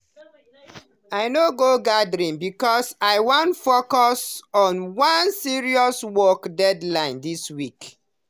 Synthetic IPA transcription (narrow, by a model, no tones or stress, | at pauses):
aɪnoɡoɡadɹĩnbikɔsaɪwɔ̃ntfokɔsɔ̃nwãnsiɹiɔswɔkdɛdlãɪ̃ndiswik